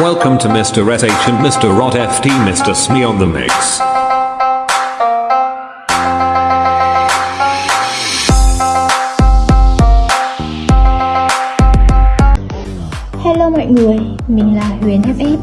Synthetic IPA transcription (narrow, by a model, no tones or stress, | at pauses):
wɛlˠkə̃mtʰəmɪstəɹɛɾẽɪ̃nʃə̃nʔmɪstəɹɑɾɛftʰimɪstəsmiənðəmɪ̰ks | hɛlomɔ̰jŋɨəj | mïŋlaːhwiənɛp̚ʔe